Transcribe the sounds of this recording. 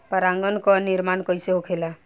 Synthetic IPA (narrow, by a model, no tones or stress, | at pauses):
pəɾaŋɡənkɔniɾmankəjseɦokʰela